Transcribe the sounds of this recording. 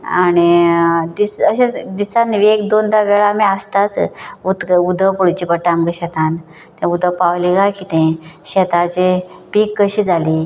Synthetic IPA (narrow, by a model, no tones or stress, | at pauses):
aɽ̃id̪isəɕed̪isanʋiek̚d̪ond̪aʋeɭamiəst̪at͡sut̪kəud̪ʱəpuɽt͡ɕipəʈamɡəɕɛt̪an | t̪ẽud̪ʱəpawliɡakit̪ẽɕɛt̪at͡ɕepiːkːəɕiːd͡zʱaliː